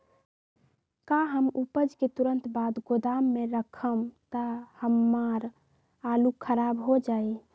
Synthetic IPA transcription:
kaɦəmupəd͡ʒket̪uɾənt̪bad̪ɡod̪amːeɾəkʰəmt̪əhəmːaɾ | alukʰəɾabɦod͡ʒaj

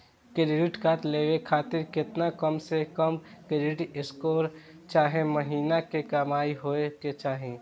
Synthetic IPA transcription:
kɪɾɪɖɪʈkaːt̪leːʋekʰaːt̪ɪɾkɪt̪nakəmsekəmkɪɖɪʈɪskoːɾ | t͡ʃaːɦẽməɦiːnakekamaːiɦoeket͡ʃaːɦẽ

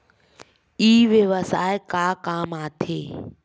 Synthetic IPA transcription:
iːʋeʋəsaːekaːkaːmaːt̪ʰeː

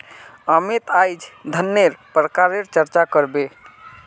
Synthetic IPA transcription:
amet̪ajd͡ʒd̪ʱənːeɾpɾəkaɾeɾt͡ʃəɾt͡ʃakəɾbe

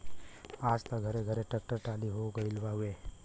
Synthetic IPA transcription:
ad͡ʒt̪əɡʱəɾeɡʱəɾeʈek̚ʈəɾʈaliɦoɡəilʋaɦue

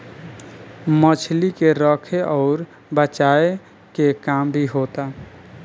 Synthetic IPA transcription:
mət͡ʃʰlikeɾəkʰeʔɔʊɾ | bət͡ʃae | kekambʱiɦot̪a

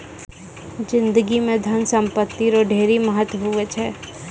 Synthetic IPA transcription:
d͡ʒɪ̃nd̪əɡimẽd̪ʱɐnsə̃mpət̪ːiɾoɖʱeːɾiməɦət̪wəɦuet͡ʃʰɛː

